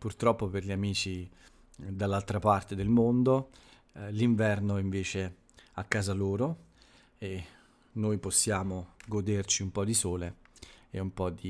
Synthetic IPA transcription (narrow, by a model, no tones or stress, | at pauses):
purt̪ɾɔpːoperʎiamiːt͡ʃi | d̪alːalt̪ɾapart̪ed̪elmond̪o | liɱvɛrnoiɱveːt͡ʃe | akːaːzaloːɾo | e | nːoːjposːjaːmoɡod̪ert͡ʃiumpɔd̪isoːleɛumpɔd̪i